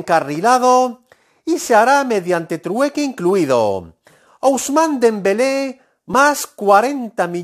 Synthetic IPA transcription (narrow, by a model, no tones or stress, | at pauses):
ŋkarilað̞o | iseaɾameðjant̪e̞t̪ɾuekeiŋkluiðo̰ | owzmãnd̪embele | maskwaɾent̪ami